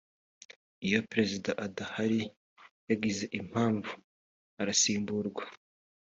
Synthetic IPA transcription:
ijo̞pɾe̞zidaʔadahaɾi | jaɡize̞ʔim̥haːɱvu | aɾasiːmbuɾɡwa

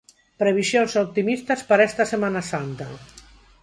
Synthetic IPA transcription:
pɾeβ̞isjonsop̚t̪imist̪aspaɾaɛst̪asemanasant̪a̰

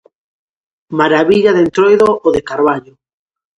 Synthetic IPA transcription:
maɾaβiʎaðent̪ɾojðooðekaɾβaʎo

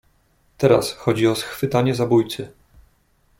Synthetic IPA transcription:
t̪ɛɾa̰sxɔd͡ʑiɔsxfɘt̪aɲɛzabujt̪sɘ

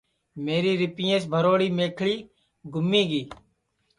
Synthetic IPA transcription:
meːɾiːɾɪpijẽːsbʱəɾoːɽiːmeːkʰɭiː | ɡʱʊmːĩːɡiː

